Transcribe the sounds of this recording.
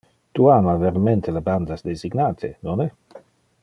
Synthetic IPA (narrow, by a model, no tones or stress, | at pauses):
t̪uamaveɾament̪ʰeleband̪asd̪eziɡnaːt̪ʰenonɛ